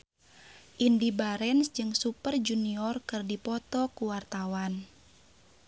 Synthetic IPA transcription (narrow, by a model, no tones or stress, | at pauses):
ʔindibaɾɛnsd͡ʒɨŋsupərd͡ʒuniɔrkɨrdipɔt̪ɔkuwart̪awan